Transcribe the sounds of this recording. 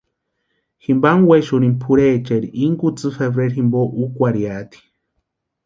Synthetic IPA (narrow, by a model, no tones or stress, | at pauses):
himbaŋweʃuɾimpʰuɾet͡ʃeɾiʔiŋɡut͡sɨfeβɾeɾɦimboʔukʷaɾiat̪i̥